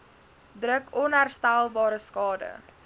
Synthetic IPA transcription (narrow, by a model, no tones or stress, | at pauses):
drəkɔnɦærstælˠbɑːɾəskɑːdə̰